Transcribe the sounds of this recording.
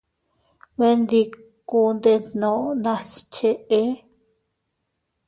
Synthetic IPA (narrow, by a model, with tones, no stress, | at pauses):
βe˦nd̪i˧ | ku˧nd̪e˧n̥nõ˨ʔnã˧st͡ʃe˧ʔe˦